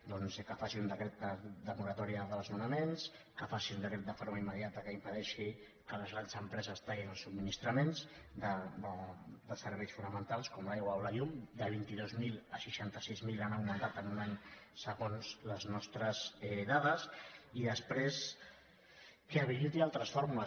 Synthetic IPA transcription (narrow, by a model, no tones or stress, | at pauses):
d̪ɔnzkəfasiund̪əkɾet̪̚d̪əd̪əmuɾat̪ɔɾiəðəlˠzmunəmens | kəfasiund̪əkɾet̪̚d̪əfoɾmaimːəðjat̪əkəimpəðɛʃi | kələzɣɾand̪zəmpɾɛzəst̪aɣinəlˠsub̪̚minist̪ɾəmenzd̪əəd̪əsəɾβɛjsfunəmənt̪alˠskɔmlajɣwawlaʎumd̪əβ̞int̪iðozmiləʃiʃant̪əsizmilanaunəðat̪ənunaɲsəɣonzləznɔst̪ɾəzɛðaðəsiðəspɾes | keaβiʎut̪ialˠt̪ɾəsfoɾmulə